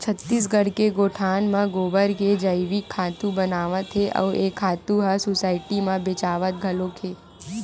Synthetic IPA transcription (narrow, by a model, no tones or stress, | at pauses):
t͡ʃʰət̪ːis̬ɡəɽkeɡoʈʰanmãɡobəɾked͡ʒəjʋikʰːat̪ũbənaʋə̃t̪ʰeʔə̰ʋʔekʰːat̪ũɦasusaiʈimãbet͡ʃaʋət̪̚ɡʱəlokʰe